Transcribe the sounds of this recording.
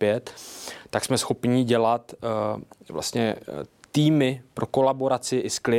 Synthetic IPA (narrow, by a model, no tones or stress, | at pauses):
ɛt̪ːaksmɛsxo̞pɲiɟɛlat̪ | vla̰st̪ɲɛt̪iːmɪpɾʔo̞ko̞labo̞ɾat͡sɪʔɪsklɪ